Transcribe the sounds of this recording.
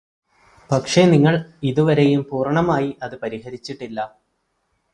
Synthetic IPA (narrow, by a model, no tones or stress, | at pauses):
pɐkʂe̞niŋːɐɭiðuʋɐɾejumpuːrɐɳɐmaːjiʔɐðɨpɐɾihɐɾit͡ɕːiʈːilːɐ